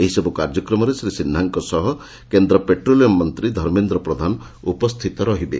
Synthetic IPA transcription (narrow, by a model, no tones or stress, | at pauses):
eɦisɔbukaɾd͡ʒɔkɾɔmɔɾesɾisinːaŋkɔsɔɦɔ | kend̪ɾɔpeʈɾolijɔmmːɔnt̪ɾid̪ʱɔɾmend̪ɾɔpɾɔd̪ʱanɔ | upɔst̪ʰit̪ɔɾɔɦibḛ